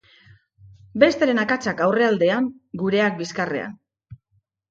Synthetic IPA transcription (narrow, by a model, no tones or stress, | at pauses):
be̞st̪eɾe̞nakat͡sakawre̞ald̪e̞aŋɡuɾe̞ak̚biskare̞̰a̰n